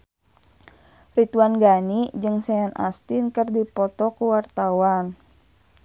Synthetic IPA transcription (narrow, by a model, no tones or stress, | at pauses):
rit̪uanɡanid͡ʒɨŋsɛanʔa̰st̪inkərdipɔt̪ɔkuwart̪awan